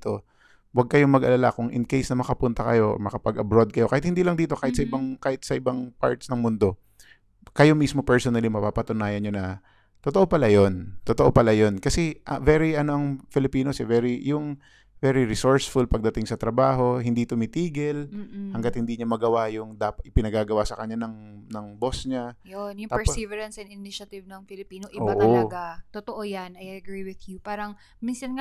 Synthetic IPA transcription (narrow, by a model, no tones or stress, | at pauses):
t̪o̞ | wɐɡ̚kɐjo̞mɐɡʔɐ̰lala̰kʊŋʔɪ̰nkejsnɐmɐkɐpʊnt̪ɐkɐ̰jo̞ʔmɐkɐpɐɡɐbɾo̞d̪̚kɐjo̞kaːhɪt̪hɪnd̪iːlɐŋd̪iːt̪o̞kaːhɪt̪sɐʔɪbɐŋkaːhɪt̪̚sɐʔɪbɐŋpa̰ɹt̪snɐŋmʊnd̪o̞ | kɐjo̞mismo̞pɛɹsonɐlimɐpapɐt̪ʊnaːjɐnɲonɐ | t̪ot̪oʔo̞pɐlajo̞nt̪ot̪oʔopɐlajo̞nkɐsɛʔɐvɛɾiʔɐno̞ʔɐŋfɪlɪpiːno̞sɛvɛɾijʊŋ | vɛɾiɾɪsoɹsfʊlpɐɡ̚d̪ɐt̪ɪŋsɐt̪ɾɐbaːɦo̞ɦɪnd̪it̪ʊmɪt̪iːɡɛlm̩ːhɐŋɡɐt̪̚hɪnd̪iɲɐmɐɡɐwajʊŋd̪aːpɐt̪ʔɪpɪnɐɡaːɡɐwasɐkɐɲːanɐŋnɐŋbo̞sɲajonjʊŋt̪aɛɹivɛɾɐnsɐnɪnɪʃɐt̪ɪvnɐŋfɪlɪpiːnoʔɪʔobaʔt̪oɡat̪ot̪oʔojanɐjɐɐɡɹiwɪðjupaːɾɐŋ | minsɐnŋa